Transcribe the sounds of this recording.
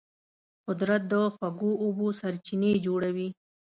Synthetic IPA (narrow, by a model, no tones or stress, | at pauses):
qʊd̪ɾat̪̚d̪əxwaɡoːbosaɾt͡ʃined͡ʒoɽawi